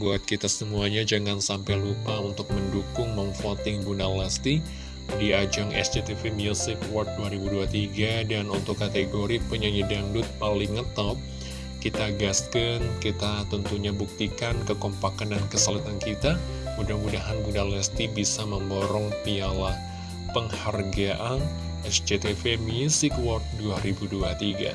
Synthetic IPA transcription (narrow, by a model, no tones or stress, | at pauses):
buat̪̚kit̪asəmuaɲad͡ʒəŋansampajlupaunt̪ʊk̚məndukʊŋməɱfɔt̪ɪŋbunalɛst̪i | diad͡ʒaŋɛ̰sd͡ʒet̪ifimilsipwɔrt̪̚duaɾibuduat̪iɡadanunt̪ʊkːat̪eɡoɾipəɲaɲədaŋdʊt̪̚palɪŋːət̪ap̚ | kit̪aɡaskənkit̪at̪ənt̪uɲabuk̚t̪ikankəkɔmpakandankəsalat̪ankit̪a | mudahmudaɦanbunalɛst̪ibisaməmboɾɔŋpialah | pəŋharɡaʔan | ɛsd͡ʒet̪efemiusɪkwɔrt̪̚duaɾibuduat̪iɡa̰